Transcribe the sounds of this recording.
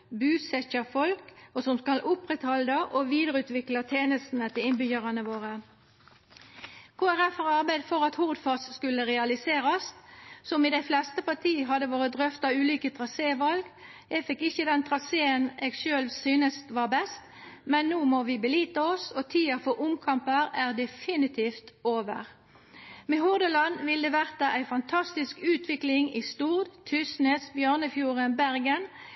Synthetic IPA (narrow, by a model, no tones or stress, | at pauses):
bʉːsɛçɑfɔlkɔsɔmskɑlʔʊpːʁɛt̪hɔld̪əʔɔʋiːd̪əʁəʉːt̪ʋɪklɑt̪ʰeːnəst̪n̩ət̪ʰɪlɪnbʏçəʁɑnəʋoːʁə | kʰoːæʁɛfəʁɑʁbæɪd̪fɔʁɑt̪hʊʁd̪fɑsskʉlːəʁɛɑlɪseːɾɑssɔmɪd̪ɛɪflɛst̪əpɑʁt̪ʰiːəɦɑd̪əʋoːʁətd̪ʁœft̪ɑʉːlyːkət̪ʰʁɑseːʋɑlɡ | ɛɡfɪkːɪçəd̪ɛnt̪ʰʁɑseːəneːɡʃøːlsyːnəst̪ʋɑːʁbɛst̪ | mɛnːuːmɔʋɪbəliːt̪əɔsɔt̪ʰiːəfɔʁʊmkʰɑmpəʁæːʁd̪ɛfɪnɪt̪ʰiːft̪oːʋə̰ʁ | mɛhʊʁd̪əlɑnʋɪld̪ɛʋæʁt̪əʔæɪfɑnt̪ʰɑst̪ɪskʉːt̪ʰʋɪklɪŋɪst̪uːʁd̪t̪ʰʉsnesbjøːʁnəfjuːʁənbæʁɡən